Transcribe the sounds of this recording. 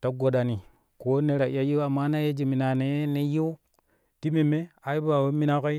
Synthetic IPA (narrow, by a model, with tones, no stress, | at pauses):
ta˨˦ɡo˨ɗa˨ni˨ | ko˦ne˦ɾa˨˦a˦ji˦a˨mːa˦na˦je˦d͡ʒi˨mi˨na˨ne˨˦ne˦ji˦ | ti˦me˨me˦a˨i˦ba˨we˦mi˦na˦ko˦i˦